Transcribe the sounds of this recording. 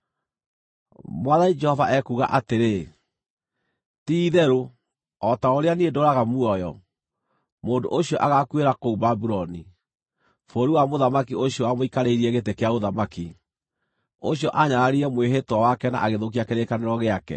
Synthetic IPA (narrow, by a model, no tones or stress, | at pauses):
mwaðanid͡ʒɛhɔvaʔɛkuɣa̰ʔateɾe | tiðɛɾo | ɔtaoɾeaniedoɾaɣamuɔjɔ | moːndo̰ʔoɕiɔʔaɣakweɾakoumbabuɾɔni | foɾiwamoðamakioɕijɔamoikaɾeiɾiɛɣetekeaɣoðamaki | oɕjɔʔaɲaɾaɾiɾɛmweɦetwawakɛna̰ʔaɣeðok̬iakeɾekaneɾɔɣeakɛ̰